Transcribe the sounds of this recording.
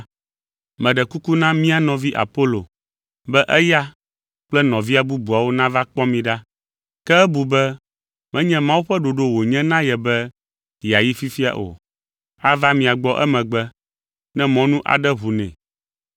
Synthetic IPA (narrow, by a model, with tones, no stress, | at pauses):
mɛ̃˨ɖɛ˨ku˦ku˦nã˦mĩ˦a˨nɔ̃˨vi˦ʔa̰˨po˦lo̰˨ | bɛ˦ʔɛ˦ja˦ | k͡plɛ˦nɔ̃˨vi˦a˨bu˦bu˨a˨wo˦nã˦va˦k͡pɔ˦mĩ˦ɖa˦ | kɛ˦ɛ˦bu˨bɛ˦ | mɛ̃˦ɲɛ̃˦mã˦wu˦ɸɛ˦ɖo˨ɖo˦wo˨ɲɛ̃˦nã˦jɛ˨bɛ˦ | ja˨ji˦fi˦fi˦a̰˨ʔo̰˨ | a˦va˦mĩ˨a˨ɡ͡bɔ˦ʔɛ̰˦mɛ̃˨ɡ͡bɛ˦ | nɛ̃˦mɔ̃˦nũ˦ʔa̰˨ɖɛ˦ɦu˨nɛ̰̃˨